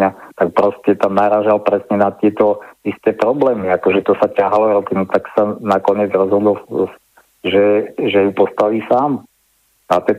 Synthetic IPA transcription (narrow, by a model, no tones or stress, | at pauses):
ɲat̪ak̚pɾɔscɛt̪amnaɾaːʒalpɾɛsɲɛnat̪ɪɛt̪ɔist̪ɛːpɾɔblɛːmiakɔʒɛt̪ɔsacaɦalɔɾɔt̪inut̪aksanakɔɲɪɛd͡zɾɔzɦɔd̪ɔl | ʒɛʒɛjupɔst̪aʋiːsaːm | at̪ɛ